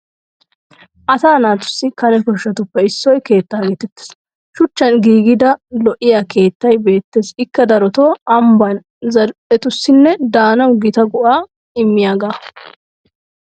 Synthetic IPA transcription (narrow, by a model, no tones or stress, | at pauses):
ʔɐsaːnaːt̪ʊ̥sːɪkɐnɛkɔʃːɐt̪ʊpːɛɪsːɔjke̞ːt̪ːaːɡeːt̪ɛt̪ːe̥s | ʃʊt͡ʃːɐnɡiːɡɪd̪ɐlɔʔːɪjake̞ːt̪ːɐjbe̞ːt̪ːeːsɪkːɐd̪ɐɾɔt̪o̞ːɐmbɐn | zɐɾpʼɛt̪ʊsːɪnːɛd̪aːnɐwɡɪt̪ɐɡʊʔaː | ɪmːɪjaːɡaː